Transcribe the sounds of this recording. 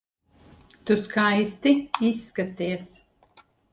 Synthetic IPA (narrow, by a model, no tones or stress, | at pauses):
t̪uskaːjst̪iisːkat̪iːɛs